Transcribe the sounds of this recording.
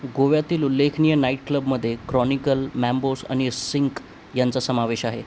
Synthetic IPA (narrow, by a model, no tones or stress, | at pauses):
ɡoʋjat̪iːlulːekʰnijənaiʈ̚kləbməd̪ʱːjekɾɔnikəlmæmbosa̰ɽ̃isiŋk | jant͡sasəmaʋeɕaɦe